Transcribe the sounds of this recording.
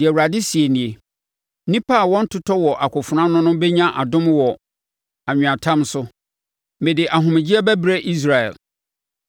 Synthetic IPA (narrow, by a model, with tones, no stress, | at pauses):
dɪ˨ɛ˨wu˨ɾa˨dɪ˦si˨e˨nĩ˨e˨ | nĩ˦pʰa˦˨wɔ̃˦n̩˦tʰʊ˦tʰɔ˦wɔ˨ʔa˨kʰʷʊ˨fʊ˨nã˦nʊ̃˦nʊ̃˦bɛ˦ɲã˦ʔa˨dʊ̃˦mwɔ˨ | a˨ɲ̃ᶣ˨ã˨tʰã˦msʊ˦ | mɪ̃˨dɪ˨ʔa˨ɦʊ̃˨mɪ̃˨d͡ʑi˦ɛ˦bæ˦bɾe˦ʔi˦s̬ɾa˨ɛ̰˨l